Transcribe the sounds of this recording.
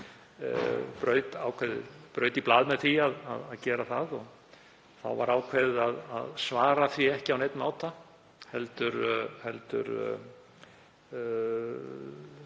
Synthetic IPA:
pɾœːɥt̪aːwkʰvɛðɪ̰pɾœːɥt̪iplaːðmɛðθiaða̰ðaðcɛːɾaθaðɔɣ | θa̰wva̰ɾaːwkʰvɛðɪaða̰ðsvaːɾaθviɛhcɪawnejt̪nmaːwt̪a | hɛlt̪ʏɾhɛlt̪ʏ̰ɾ

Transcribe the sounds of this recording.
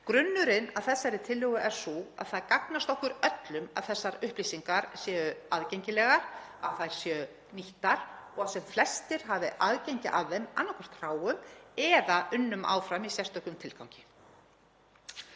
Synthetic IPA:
kɾʏnːʏɾɪnaðθɛsːaɛɾɪt̪ʰɪlːʏɣʏʔɛɾ̥sua̰ðθaðkaknast̪ɔhkʏɾœt̪lʏma̰ðθɛsːaɾʏhplisiŋkaɾsjɛːʏaðcejɲcɪlɛɣaɾ̥aðθaðjɾ̥sjɛʏ | niht̪aɾ̥ɔɣasɛmflɛst̪ɪɾ̥ɦavɪʔaðcejɲcɪʔaððɛma̰nːɔhkʰvɛɾ̥t̪r̥aːwʏmɛðaʔʏnːʏmʔa̰ːwfɾamisjɛst̪œhkʏmt̪ʰɪlkaw̃cɪ̥

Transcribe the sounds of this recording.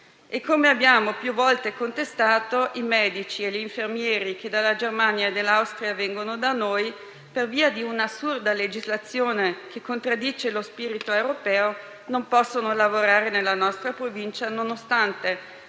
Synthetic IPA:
ekːomeabːjaːmopjuvːɔlt̪ekont̪est̪aːt̪oʔimɛːd̪it͡ʃieʎiːɱfermjɛːɾiked̪alːad͡ʒermanjaed̪ːelːawst̪ɾiavɛŋɡonod̪anoːj | perviːad̪iunasːurd̪aled͡ʒizlat̪sːjoːnekekːont̪ɾad̪ːiːt͡ʃelospiːɾit̪oewɾopɛːo | nompɔsːonolavoɾaːɾenelːanɔst̪ɾapɾovint͡ʃanonost̪ant̪e

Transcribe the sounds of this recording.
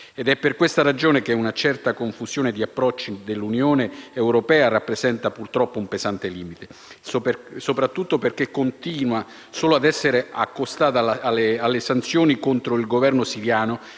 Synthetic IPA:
ed̪ɛpːerkwest̪aɾad͡ʒoːnekeunat͡ʃɛrt̪akoɱfuz̥joːned̪iapːɾɔt͡ʃːid̪elːunjoːneːwɾopɛːarapːɾezɛnt̪apurt̪ɾɔpːoumpezant̪eliːmit̪e | sopɾat̪ːut̪ːoperk̟ekːont̪iːnwa | soːload̪ɛsːeɾeakːost̪aːt̪aalːesant̪sjoːnikont̪ɾoilɡovɛrnosiɾjaːno

